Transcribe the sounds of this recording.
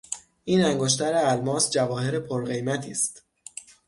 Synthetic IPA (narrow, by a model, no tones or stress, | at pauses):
ʔiːnæŋɡoʃ̬t̪ʰæɾeælmɒːsd͡ʒævɒːhe̞ɾepʰoɾɢe̞jmæt̪ʰiːst̪